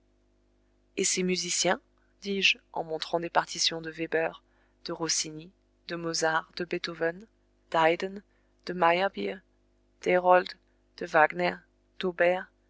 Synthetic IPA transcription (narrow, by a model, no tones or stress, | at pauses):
esemyzisjɛ̃ | d̪̥iʒɑ̰̃mɔ̃t̪χɑ̃d̪epaʁt̪isjɔ̃d̪əvebœʁ | d̪̥əʁosini | d̪əmozaʁd̪̥əbet̪ovɛn | d̪̥ajd̪ən | d̪̥əmajabi | d̪̥eʁɔld̪ | d̪̥əvaɡnɛʁ | d̪̥obɛʁ